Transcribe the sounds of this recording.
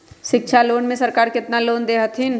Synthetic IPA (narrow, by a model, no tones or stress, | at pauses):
ʃɪk̚ʃʰaloːnmẽsɐɾkaːɾkɪt̪naloːnd̪eːɦət̪ʰɪn